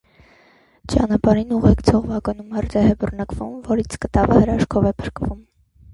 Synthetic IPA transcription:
t͡ʃɑ̰nɑpɑɾinuʁɛkt͡sʰɔʁvɑkɑnumhəɾt̪ɛɦɛbərnɑkvumvɔɾit͡sʰkət̪ɑvəhəɾɑʃkʰɔvɛpʰəɾkvum

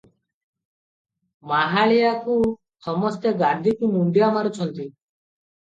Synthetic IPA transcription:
maɦaɭijaku | sɔmɔst̪eɡaɾd̪ʱikumund̪iamaɾut͡ʃʰɔnt̪i

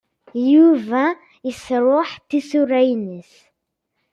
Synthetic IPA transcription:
juvæ̃ | əsɾˤʊħt̪isuɾæjnəs

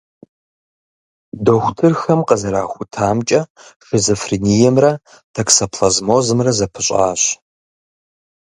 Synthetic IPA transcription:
doxʷtʰɨrxɐmqəzɐɾaːxʷʊtʰaːmt͡ʃʼɐfɪzofrinijɛmrɐ | tʰɐksɐpʰlɐzmoːzɨmrɐzɐpʰɨɕʷʼa̰ːɕ

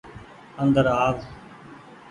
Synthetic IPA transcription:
əŋɡ̪əɾaːʋ

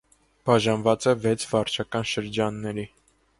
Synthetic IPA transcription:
b̥ɑʒɑnvɑt͡sɛvɛt͡sʰvɑɾt͡ʃʰɑkɑnʃəɾd͡ʒɑnːɛɾi

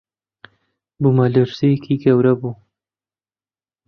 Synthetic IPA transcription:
bumalɨɾsijkʰiɡɐwɾɐbuː

